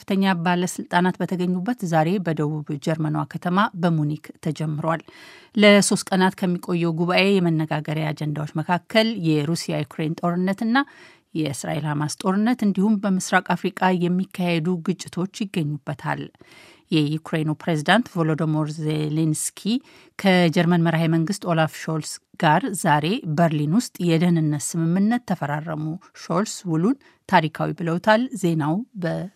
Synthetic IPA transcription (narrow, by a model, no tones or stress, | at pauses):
fɨt̪ʰəɲːabaləsɨlt̪ʼanat̪bət̪ʰəɡəɲːubːət̪zaɾe̞bəd̪əβuβd͡ʒɛɾmənowakʰət̪ʰəmabəmunikt̪ʰəd͡ʒɛmːɨɾwalləso̞st̪̚ʼkʼənat̪kʰəmːikʼo̞jːɛwɡuβaʔe̞jɛmənːəɡaɡəɾjaad͡ʒɛnd̪awot͡ʃːməkʰakːəljɛɾusijajukʰɾent̪ʼo̞ɾɨnːət̪ɨnːa | jɛʔɨsɾa̰ʔe̞lhamast̪ʼo̞ɾɨnːət̪ɨnd̪ihumbəmɨsɾakʼafɾikʼajɛmːikʰːahed̪uɡɨt͡ʃʼːɪt̪ʰo̞t͡ʃːjɪɡːəɲːubːət̪ʰa̰l | jɛjukʰɾejnupɾezid̪ant̪volod̪omoɾzelenskʰi | kʰəd͡ʒɛɾmənməɾɦajməŋɡɨst̪o̞lafʃo̞lsɡ̥aɾzaɾe̞bəɾlinwʊst̪ʼjɛd̪ənɨnːət̪sɨmɨmːɨnːət̪ʰːəfəɾarə̰muʃo̞lswulun | t̪ʰaɾikʰawibɨləwt̪ʰalze̞nawbə